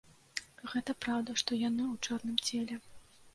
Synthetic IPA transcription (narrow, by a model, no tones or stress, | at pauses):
ɣɛt̪ɐpɾawd̪ɐʂt̪ɔjanɨwt͡ʂɔrnɨmt͡sʲɛlʲɛ